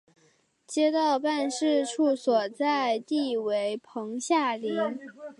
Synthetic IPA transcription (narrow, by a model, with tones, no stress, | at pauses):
t͡ɕjɛ˥t̪ɑ˥˧ʊpa˥˧nʂɻ̩˥˧ʈ͡ʂʰu˥˩swɔ˨˩t͡sa˥˧ɪt̪i˥˩we˧˥ɪpʰɤ˧˥ŋɕja˥˩li˧˥n